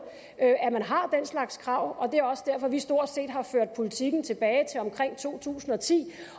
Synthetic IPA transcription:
øæmænɦɑ̈d̥enslɑ̈ɡ̥skʰʁɑ̈ʊ̰ɒ̽d̥e̝æɒ̽səd̥æɐ̰fɒ̽ʋisd̥o̝ɐ̰d̥se̝̰ːd̥ɦɑ̈føɐ̰d̥̚pʰo̝lit͡sʰiɡ̥n̩t͡sʰe̝b̥ɛːɪt͡sʰe̝lɒ̽mkʰʁeŋ̰t͡sʰo̝̰ːt͡sʰṵːsn̩ɒ̽t͡sʰḭː

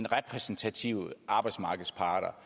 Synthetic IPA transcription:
nʁɛpʰʁɛsn̩t͡sʰæt͡sʰiʊ̰ʔɑ̈ːb̥ɑ̈ɪd̥smɑ̈ːɡ̥ð̩ˠspʰɑ̈ːd̥ɐ

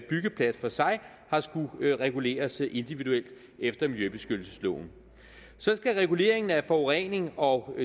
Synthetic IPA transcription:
b̥yɡ̥əpʰlæd̥fɒ̽sɑ̈ɪ | hɑ̈sɡ̥uʁɛɡ̥ule̝̰ːɐsʔe̝nd̥iʋiðuel̰d̥ | efd̥ɐmiljøb̥e̝sɡ̥ød̥l̩səslɔ̰ːʊn̩ | sɒ̽sɡ̥æʁɛɡ̥ule̝̰ːɐe̝ŋn̩æfɒʁɛne̝ŋɒ̽

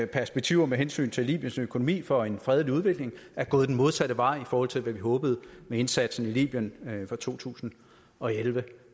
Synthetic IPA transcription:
pʰæɐsb̥eɡ̥̚t͡sʰiʊɐmeɦensy̰ːnt͡sʰe̝lḭːb̥jənsøkʰo̝no̝mḭːfɒ̽e̝nfʁɛð̞ˠəliuðˠʋe̝ɡ̥le̝ŋæɐɡ̥ɔ̽ːð̩ˠd̥enmo̝ð̞ˠsæɾəʋɑ̈ɪ̰ifɒːhɒ̽l̰t͡sʰe̝lʋæʋiɦɔ̽ːb̥əð̞̩ˠmee̝nsæd̥sn̩ilḭːb̥jənfɒt͡sʰo̝̰ːt͡sʰṵːsn̩ | ɒ̽elʋə

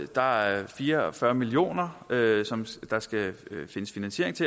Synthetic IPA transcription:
d̥ɑ̈æfiːɐɒfɶɐmilio̝̰ːnɐøsɒ̽md̥ɑ̈sɡ̥æfe̝nəsfinænɕe̝ɐ̰e̝ŋt͡sʰe̝

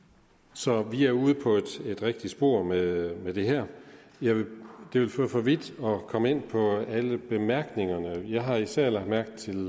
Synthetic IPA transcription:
sɒ̽ʋiæɐuːð̞ˠpʰɒ̽e̝d̥e̝d̥ʁeɡ̥̚d̥i̥sb̥o̝ɐ̰memed̥e̝ɦæɐ̰ | jɑ̈ɪʋed̥e̝ʋe̝lføːfɒʋid̥ɒ̽kʰɒ̽məe̝n̰pʰɒ̽æləb̥e̝mæɐɡ̥ne̝ŋɐnəjɑ̈ɪɦɑ̈isæɐ̰lɑ̈ɡ̥d̥mæɐɡ̥̚d̥t͡sʰe̝l

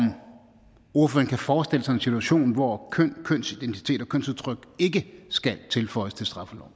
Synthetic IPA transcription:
m | uɐ̰føːɐnkʰæfɒːsd̥e̝ləsɑ̈ɪe̝nsit͡sʰuæɕo̝̰ːnʋɒkʰøn̰kʰøn̰sid̥ent͡sʰi̥t͡sʰe̝̰ːd̥ɒ̽kʰøn̰suðˠt͡sʰʁœɡ̥e̝ɡ̥əsɡ̥ælt͡sʰe̝lfɒ̽ɪəst͡sʰe̝lsd̥ʁɑ̈fəlɒ̰ʊ̰

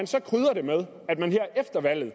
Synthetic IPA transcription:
ænsɒ̽kʰʁyːð̞ˠɐɾe̝með̞ˠ | æd̥mænɦeɐʔefd̥ɐʋæl̰ð̩ˠ

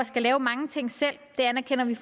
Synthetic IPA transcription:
ɒsɡ̥ælɛːʊmɑ̈ŋət͡sʰe̝ŋ̰sel̰d̥e̝ænɐkʰen̰ɐʋif

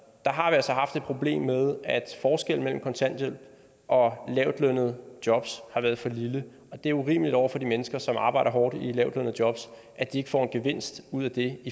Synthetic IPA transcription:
d̥ɑ̈ɦɑ̈ʋiælsɒ̽ɦɑ̈fd̥ed̥̚pʰʁo̝b̥le̝̰ːmːeð̞ˠæd̥fɒːsɡ̥el̰n̩mel̰m̩kʰɒ̽nt͡sʰæn̰d̥el | ʔɒ̽lɛʊd̥lønð̩ˠd̥jɒ̽b̥shɑ̈ʋæːɐðˠfɒ̽lilə | ɒ̽d̥e̝æɐuʁḭːməlid̥ɒʊ̰ɐfɒ̽d̥imenəsɡ̥ɐsɒ̽mɑ̈ːb̥ɑ̈ɪɾɐɦɒːd̥ilɛʊd̥lønð̩ˠd̥jɒ̽b̥s | ʔæd̥ie̝ɡə̥fɒ̰ːe̝nɡ̥e̝ʋe̝n̰sd̥uð̰ˠæd̥e̝i

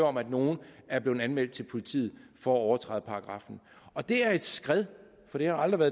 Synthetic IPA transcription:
ɒ̽mæd̥no̝ːn̩æɐb̥le̝ːð̩ˠænmel̰d̥̚t͡sʰe̝lpʰo̝lit͡sʰḭːð̞̩ˠfɒ̽æɒʊɐt͡sʰʁɑ̰ːð̩ˠpʰɑ̈ːɡ̥ʁɑ̈fn̩ | ɒ̽d̥e̝æɐe̝d̥sɡ̥ʁɛðˠ | fɒ̽ɾ̥e̝hɑ̈ɑld̥ʁiʋæːɐð

